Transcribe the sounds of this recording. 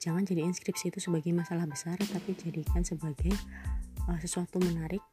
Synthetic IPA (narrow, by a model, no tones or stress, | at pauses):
d͡ʒaŋand͡ʒadiinskɾipsiːt̪usəbaɡajmasalahbəsart̪apid͡ʒadikansəbaɡaj | əsəsuat̪umənaɾɪk̚